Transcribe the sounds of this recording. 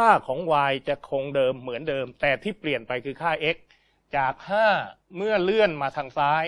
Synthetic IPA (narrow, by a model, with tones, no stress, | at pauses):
kʰaː˥˩kʰɔː˩˦ŋwaː˧jt͡ɕa˨˩kʰo˧ŋdɤː˧mːɯ˩˦əndɤː˧mt̪ɛː˨˩t̪ʰiː˥˩pli˨˩ənpa˧jkʰɯː˧kʰaː˥˩ʔe˦˥k̚ | t͡ɕaː˨˩k̚haː˥˩ | mɯ˥˩əlɯ˥˩ənmaː˧t̪ʰaː˧ŋsaː˦˥j